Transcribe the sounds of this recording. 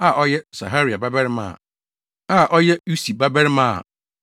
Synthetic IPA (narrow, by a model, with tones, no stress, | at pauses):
a˦˨ʔɔ˦jɛ˦sa̰˨ɦa˦ɾi˨a˨ba˦bɛ˦ɾmã̰˨ | a˦˨ʔɔ˦jɛ˦ju˦si˨ba˦bɛ˦ɾmã˦a̰˨